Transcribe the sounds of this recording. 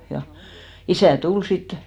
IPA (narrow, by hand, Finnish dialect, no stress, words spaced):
jɑ isæˑ tul sit